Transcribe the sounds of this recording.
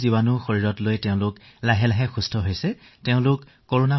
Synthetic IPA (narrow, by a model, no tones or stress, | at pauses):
zibanʊxoɹiɹɔtlojtɛʊ̃lʊk | laɦɛlaɦɛxustʰɔɦojsɛ | teʊ̃lʊkːoɹona